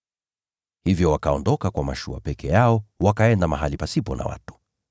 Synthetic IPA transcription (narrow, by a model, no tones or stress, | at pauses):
hivjɔwakaɔndɔkakwamaʃua̰pɛkʰɛjaɔwakaɛndamaɦalipasipɔna̰wa̰tu̥